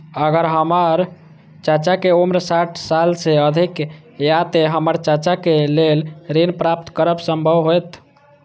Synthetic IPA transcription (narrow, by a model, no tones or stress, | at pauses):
əɡəɾɦəməɾ | t͡ʃat͡ʃakeomɾsaʈʰsalseəd̪ʱik | jat̪eɦəməɾt͡ʃat͡ʃakelelɾinpɾap̚t̪kəɾəbsəmbʱəʋɦojt̪